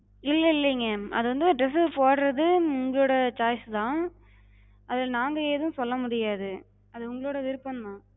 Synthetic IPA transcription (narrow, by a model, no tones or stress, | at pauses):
ɪlːɐɪlːɐŋɡɐɐ̰ðɯʋɐnd̪ɯɖɾɛsɯpoːɽɾɐðɯʊŋɡɐɭoːɽɐt͡ʃaːjst̪ãː | ɐðɪlnaːŋɡɐeːðɯ̃sɔlːɐmʊɽɪjaːðɯ | ɐðɯʊŋɡɐɭoːɽɐʋɪɾɯpːɐnmãː